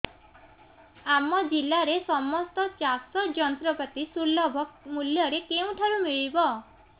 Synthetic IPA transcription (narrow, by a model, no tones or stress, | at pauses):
amɔd͡ʒilaɾesɔmɔst̪ɔt͡ʃasɔd͡ʒɔnt̪ɾɔpat̪isulːɔbʱɔkmuljɔɾekeũʈʰaɾumiɭibɔ